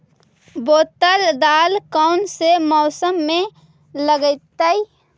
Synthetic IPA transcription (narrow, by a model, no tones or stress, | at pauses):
boːt̪əld̪aːlkaʊnsemɔːsəmːẽ | ləɡəɪt̪ːəi